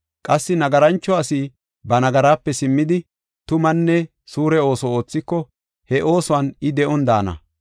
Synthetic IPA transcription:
kʼɐsːɪnɐɡɐɾɐnt͡ʃːɔɐsiː | bɐnɐɡɐɾaːpːɛsɪmːɪd̪ɪ | t̪ʊmɐnːɛ | suːɾɛo̞ːsɔo̞ːt͡sːɪkːɔ | hɛʔo̞ːsʊwɐnɪd̪ɛʔɔnd̪aːnɐ̰

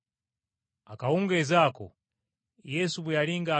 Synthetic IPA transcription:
akauŋɡezaːko̰ | jɛsuβujaliŋɡaː

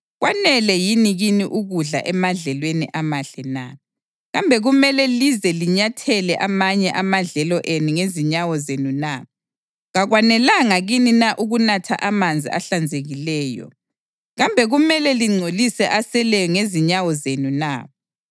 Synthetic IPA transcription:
ɣwanɛlɛjiniɣiniʔuɣuɮa̰ʔɛmaɮɛlweniʔamaɬɛna | ɣambʱɛɣumɛlɛlizɛliɲatʰɛlɛʔamaɲɛʔamaɮɛlɔʔenuŋeziɲawɔzenuna | ɣaɣwanɛlaŋaɣininaʔuɣunatʰa̰ʔamand͡zʱḭa̰ɬand͡zʱeɣilɛːjɔ̰ | ɣambʱɛɣumɛlɛliŋ͡ǀʱolisɛʔasɛlɛjɔŋeziɲawɔzenuna̰

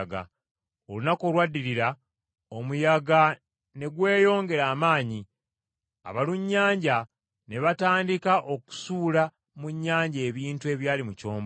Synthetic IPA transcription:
ɡa̰ | olunako̞ːlwadːiɾiɾa | o̞mujaɡa | ne̞ɡwe̞ːjo̞ːŋɡe̞ɾaːmaːɲi | a̰βaluɲːaːɲɟa | ne̞βataːndikaʔo̞ku̥suːla | muɲːaːɲɟe̞ːβiːntue̞βjaːlimuco̞ːmbo

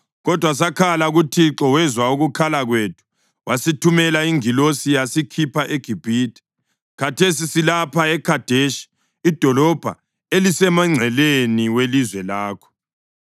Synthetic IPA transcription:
ɣɔd̥ʱwas̬akʰalaɣutʰiǁɔwɛzwauɣukʰalaɣwetʰu̥ | wʔasitʰumɛlaiŋilosijasikʰipʰaʔeɡ̥ʱib̥ʱiːtɛ̥ | katʰesisilapʰaɛkʰad̥ʱeʃi̥ | id̥ʱɔlɔb̥ʱa̰ | elisɛmaŋ͡ǀʱɛleniwelizwɛlaːkʰɔ̥

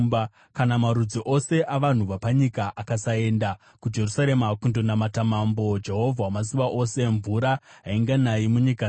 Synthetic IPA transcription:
ba | kanamaɾud͡ziʔo̞se̞ʔaʋan̤uʋapaɲikaʔakasae̞ːnda | kud͡ʒe̞rusaɾe̞makundonamatamambo̞d͡ʒe̞ɦo̞vʱawamas̬iʋaʔo̞se̞ɱvuɾaɦaiŋɡanajimuɲika

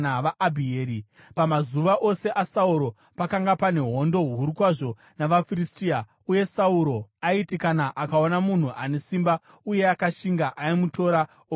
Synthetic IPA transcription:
aʋaʔabʱieːɾi | pamazuʋaʔo̞se̞ʔasauɾo̞ | pakaŋɡapane̞ɦo̞ndo̞ɦɦuɾukwaʐo̞ | naʋafiristia | uje̞sauɾo̞aitikanaʔakao̞namun̤uʔane̞simba | uje̞akaʃiŋɡaʔaimuto̞ɾa | o

